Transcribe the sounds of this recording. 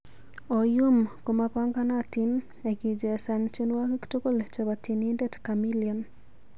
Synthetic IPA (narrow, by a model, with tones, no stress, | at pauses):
ɔ˨jo˦mko˨ma˦pa˦ŋɡa˦na˦˨ti˦n | e˨ɡi˨d͡ʒe˨a˨sa˨nt͡ʃe˦nwa˦ki˦kto˦ko˦lt͡ʃɔ˨ba˨ti˨ni˦nde˦tka˨mi˦liɔ˨n